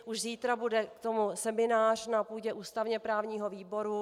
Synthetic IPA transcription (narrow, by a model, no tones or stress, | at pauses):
ʔuʃziːt̪ɾabudɛkt̪o̞musɛmɪnaːr̝̥napuːɟɛʔuːst̪avɲɛpɾaːvɲiːɦo̞viːbo̞ɾu